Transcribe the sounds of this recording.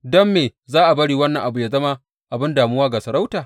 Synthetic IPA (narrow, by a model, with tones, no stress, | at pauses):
dɔ˦mːeː˨zaː˦ʔa˨bɐ˦ɽiː˨wɐ˦nːɐ˨ŋʔa˨bu˨ja˨zɐ˦ma˦ | ʔa˨bɪ˦ndaː˨mʊ˦waː˦ɡaː˨sɐ˨ɾa˦wtaː˨